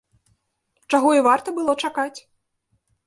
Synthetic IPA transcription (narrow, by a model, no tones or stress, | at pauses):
t͡ʂaɣɔivart̪ɐbɨlˠɔt͡ʂakat͡sʲ